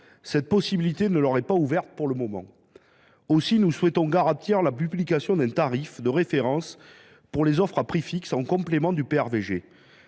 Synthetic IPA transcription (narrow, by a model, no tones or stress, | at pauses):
sɛt̪̚pɔsibilit̪enəlɔʁɛpauvɛʁt̪puʁləmɔmɑ̰̃ | osinuswɛt̪ɔ̃ɡaʁat̪iʁlapyblikasjɔ̃d̪ɛ̃t̪aʁifd̪əʁefeʁɑ̃s | puʁlezɔfχapχifiksɑ̃kɔ̃plemɑ̃d̪ypeɛʁveʒe